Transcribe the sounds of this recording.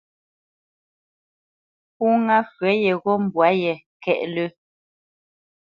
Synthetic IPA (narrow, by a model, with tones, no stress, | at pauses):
u˦ŋa˦fɥɛ˨˦jɛ˨ɣɔ˦m̩˨bwa˨˦jɛ˨ | kɛ̰˦˨ʔlə˦